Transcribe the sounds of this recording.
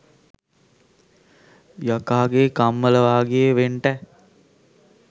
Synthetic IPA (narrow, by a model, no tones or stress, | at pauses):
jakaːɡekamːələʋaːɡejəʋeɳʈɛ